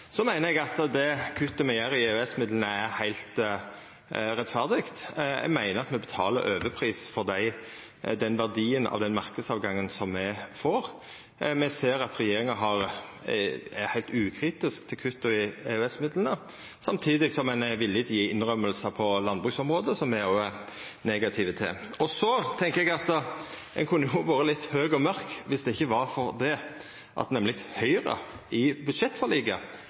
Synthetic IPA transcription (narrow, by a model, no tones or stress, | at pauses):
sɔmæɪnəɛɡɑt̪d̪ɛkʰʉt̪ːəmɛjæːɾɪeʉɛsmɪd̪lənəæɾhæɪlt̪ | ɾɛt̪fæʁd̪ɪɡt̪ɛ̰ɡmæɪnəɾɑt̪mɛbət̪ʰɑːlə̰ɾʔøːʋəpʰɾiːsfɔʁd̪æɪ | d̪ɛnʋæʁd̪iːənʔɑ̰ʋd̪ɛnmɑʁkəd̪sɑːʋɡɑŋːənsɔmːɛfoːɾ | mɛseːɾɑt̪ɾɛjeːɾɪŋɑɦɑɾ | æhæɪlt̪ʉːkʰɾiːt̪ɪskt̪ʰɪlkʰʉt̪ːʊɪɛʉɛsmɪd̪lənə | sɑmt̪ʰiːd̪ɪɡsɔmɛnʋɪlːɪt̪jiːɪnʁœmːəlsəpʰɔlɑnd̪bɾʉːksɔmɾoːd̪əsɔmmɛoɛ | neːɡɑt̪ʰɪːʋət̪ʰɪ̰ɔsɔt̪ʰɛŋkəɾɛɡɑt̪ | ɛ̰nkʰʉnːəjʊʋoːɾəlɪt̪ːhøːɡɔmœɾkʋɪsd̪ɛɪçːəʋɑɾfɔɾd̪ɛ | ʔɑ̰t̪nɛmlɪt̪hœʏɾə̰ | ɪbʉd̪ʂɛt̪ːfɔɾliːɡɑ